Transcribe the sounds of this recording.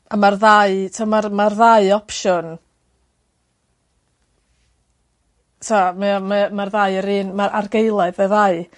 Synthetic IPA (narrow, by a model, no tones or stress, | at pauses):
amarðaɨtʰamarmarðaɨɔpʃɔn | tʰamɛamɛmarðaɨəɾɨːnmaɾʔarɡejlˠaɨðəðaɨ